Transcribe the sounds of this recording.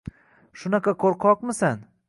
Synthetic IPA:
ʃʊnaqʰɑkʰoɾqʰɒqmɪsan

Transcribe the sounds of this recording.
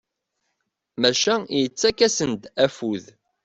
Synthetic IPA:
mæʃæjət͡sːækːæsənd̪æfuð

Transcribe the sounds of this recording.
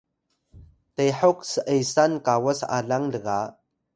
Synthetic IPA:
tejħoksəʔəjsankawasa̰ɮaŋdəɣa

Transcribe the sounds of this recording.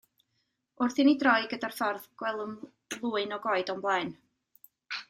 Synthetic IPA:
ʊrθinidrɔɨɡədar̥fɔrðɡ̥wɛlˠəm | lˠuːɨnɔɡɔɨdɔnmblˠaɨn

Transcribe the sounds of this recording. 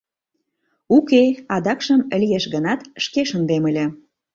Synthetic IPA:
ukeɑd̪ɑkʃəməlijeʃɣənɑt̪ʃkeʃənd̪eməlʲĕ

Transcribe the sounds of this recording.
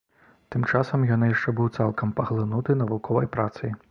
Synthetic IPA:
t̪ɨmt͡ʂasɐmjanɨjaʂt͡ʂɛbɨwt̪salˠkɐmpɐɣlˠɨnut̪ɨnɐvukʰɔvɐjpɾat̪sɐj

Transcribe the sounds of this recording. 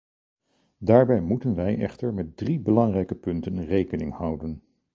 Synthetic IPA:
daːɹbɛjmutənʋɛjʔɛ̰χtəɹmɛt̚dribəlɑŋrɛjkəpɵntənrejkənɪŋhʌwdən

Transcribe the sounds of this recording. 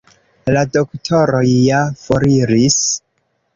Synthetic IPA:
lado̞ktʰo̞ɾojjafoɾiɾis

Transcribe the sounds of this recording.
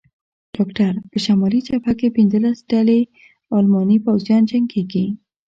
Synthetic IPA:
ɖ̥ɑkʈaɾpəʃamɑlit͡ʃapakepinzəlasɖ̥ale | ɑlmɑnipawzjɑnd͡ʒaŋɡkeɡi

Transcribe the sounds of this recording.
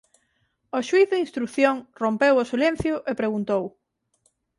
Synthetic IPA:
oʃwiθðɪinst̪ɾukθjoŋrompewosilen̟θjʊʔepɾeɣunt̪ow

